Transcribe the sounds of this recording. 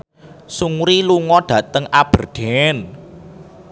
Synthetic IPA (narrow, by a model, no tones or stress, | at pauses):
suŋɾiluŋɔɖ̥ä̤t̪əŋab̥ə̤rɖ̪̥ɛn